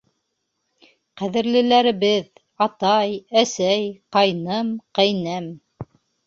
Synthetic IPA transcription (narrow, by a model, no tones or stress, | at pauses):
qæðɘ̆ɾlɘ̆læɾɘ̆βɘð | ɑt̪ɑjæsæjqɑjnɤmqæjnɤm